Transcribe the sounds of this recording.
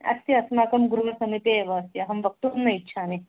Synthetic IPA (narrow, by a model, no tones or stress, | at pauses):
ɐ̰st̪iɐsmaːkɐmɡɾuʋɐsɐmipeːʋɐːst̪jɐɦɐmʋɐk̚t̪uːnːɐitːʃʰaːni